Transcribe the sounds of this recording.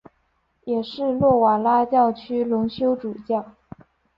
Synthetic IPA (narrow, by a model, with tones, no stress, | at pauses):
jɛ˨˩ʂɻ̩˥˧lwɔ˥˩wa˨˩la˥t͡ɕjɑ˥˩ʊt͡ɕʰy˥lʊ˧˥ŋɕjo˥ʊʈ͡ʂu˨˩t͡ɕjɑ˥˩